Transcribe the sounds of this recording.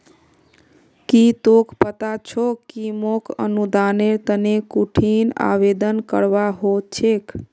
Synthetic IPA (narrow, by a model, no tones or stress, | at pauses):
kit̪okpət̪at͡ʃʰokimokʰə̰nud̪aneɾt̪ənekuʈʰina̰ʋed̪ənkəɾʋaɦot͡ʃʰek